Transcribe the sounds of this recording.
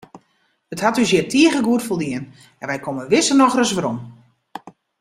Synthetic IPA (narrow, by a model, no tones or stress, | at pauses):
əthatysjɪtʰiəɣəɡuətfolˠdiən | ɛnʋɛjkʰoməʋɪsənɔxrəsʋaɾom